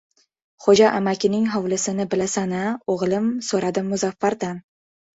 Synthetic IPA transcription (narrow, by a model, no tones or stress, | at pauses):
χod͡ʒaʔamakʲɪnɪŋɦɒwlɪsɪnɪbɪlasanɪoʁlˠɪmsoɾad̪ɪmːʊzafːaɾd̪an